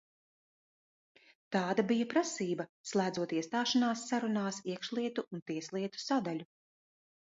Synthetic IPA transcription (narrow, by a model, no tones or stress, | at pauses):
t̪aːd̪abijɐpɾasiːbɐslˠæːd̪zuɔt̪iɛst̪aːʃanaːsːaɾunaːsiɛkʃlˠiɛt̪uunt̪iɛslˠiɛt̪u̥sad̪alʲu